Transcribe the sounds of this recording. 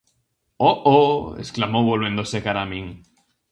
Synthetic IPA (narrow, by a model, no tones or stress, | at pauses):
oʔoḛsklamowβolβe̞nd̪osekaɾamĩŋ